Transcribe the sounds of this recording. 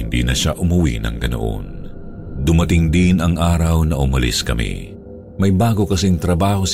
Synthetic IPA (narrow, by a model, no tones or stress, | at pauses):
ɪnd̪ḭnɐʃaʔʊmʊwḭnɐ̰ŋɡɐno̰ʔo̰n | d̪ʊmɐt̪ɪŋd̪ɪnɐŋʔaːɾɐwnɐʔʊmɐlḭskɐmḭ | mɐjbaːɡo̞kɐsiŋt̪ɾɐbaːho̞s